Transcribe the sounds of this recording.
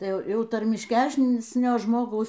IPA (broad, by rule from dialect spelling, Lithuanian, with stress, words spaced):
tɐɪ ˈjɛʊ ˈjɛʊ tɐrʲmʲɪʃʲˈkʲæsʲnʲoː ˈʒmoːɡɐʊs